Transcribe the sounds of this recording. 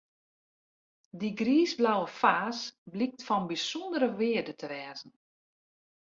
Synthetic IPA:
diɡriːzblawəfaːsblik̚tfɔnbisɔndəɾəʋɪədətʰəʋɛːzən̩

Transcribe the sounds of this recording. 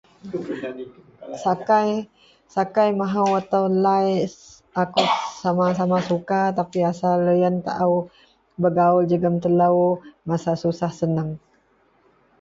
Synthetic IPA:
sakaj | sakajmaɦawat̪awlaj | akʊʔsamasamasukat̪apiasaləjənt̪a̰ʔaw | bəɡaʊld͡ʒəɡəmt̪ələwmasasusahsənəŋ

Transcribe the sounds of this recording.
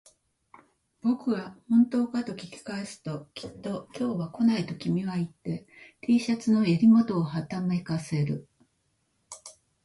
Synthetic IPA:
b̥o̞kɯ̟βahõ̞nt̪o̞ːkat̪o̞kʲi̥kʲi̥kaesɨ̥t̪o̞kʲi̥t̪ːo̞kʲo̞ːβako̞nait̪o̞kʲimʲiβait̪ːe̞t̪ʰiːɕat͡sɨno̞jaɾʲimo̞t̪o̞ːhat̪ame̞kase̞ɾɯ̟

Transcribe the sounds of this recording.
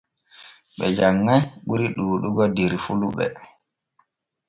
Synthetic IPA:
ɓɛd͡ʒaŋːajɓuɾiɗuːɗuɡɔdiɾfuluɓɛ̰

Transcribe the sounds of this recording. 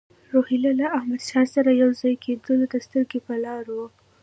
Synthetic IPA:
ɾohilalaahmad̪ʃɑsaɾajawzɑjkʰed̪əld̪ast̪əɾɡepəlɑɾwo

